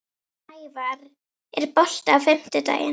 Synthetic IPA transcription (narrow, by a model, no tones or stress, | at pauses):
ajvar | ɪrbɔɬtavɛmtɛda̰jɛ